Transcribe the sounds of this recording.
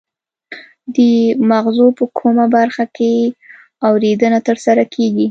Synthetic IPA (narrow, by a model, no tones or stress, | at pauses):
d̪əmaɣzopəkʰomabaɾxake | awɾed̪ənat̪əɾsaɾakʰeɡi